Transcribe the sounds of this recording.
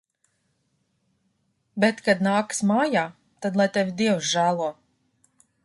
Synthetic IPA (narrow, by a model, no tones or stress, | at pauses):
bet̪kad̪naːksmaːjaː | t̪ad̪lˠajt̪ɛvʲid̪iɛwsʒæːlˠuɔ